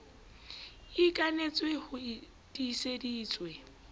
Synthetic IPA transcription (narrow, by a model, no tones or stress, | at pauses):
ikʼanet͡sʼwehʊ | d̥isediːt͡sʼwe